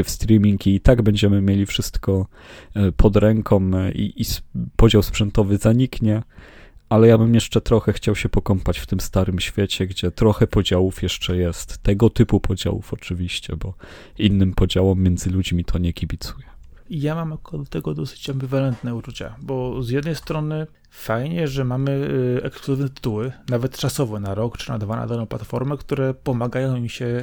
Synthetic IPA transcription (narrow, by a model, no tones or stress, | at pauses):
fst̪ɾʲimʲiŋkʲiːt̪aɡbɛɲd͡ʑɛmɘmʲjelʲifʂɘst̪kɔ | pʰɔd̪ɾɛŋkʰɔmḭipɔd͡ʑawspʂɛnt̪ɔvɘzaɲikɲɛ | alɛjabɘmjɛʂt͡ʂɛt̪ɾɔxɛxt͡ɕawɕɛpɔkɔmpat͡ɕft̪ɘmst̪aɾɘmɕfʲjɛt͡ɕɛɡd͡ʑɛt̪ɾɔxɛpɔd͡ʑawufjɛʂt͡ʂɛjɛst̪ːɛɡɔt̪ɘpupʰɔd͡ʑa̰wṵfɔt͡ʂɘvʲiɕt͡ɕɛ̰bɔ | inːɘmpɔd͡ʑawɛmːjɛnd̪zɘlud͡ʑmʲit̪ʰɔɲɛkʲibʲit̪sujɛijamamj̪akɔd̪ɔt̪ɛɡɔd̪ɔsɘ̥t͡ɕɛmbivalɛnt̪nɛut͡ʂut͡ɕa̰bɔzjɛd̪nɛjst̪ɾɔnɘ | fajɲɛʐɛmamɘɛkskluzɘvnɛt̪ɪ̥t̪uwɘnavɛt̪t͡ʂasɔvɛnaɾɔkt͡ʂɘ̥nad̪vana̰d̪alɔ̃w̃plat̪fɔɾmɛkt̪uɾɛpɔmaɡajɔ̃w̃mʲiɕɛ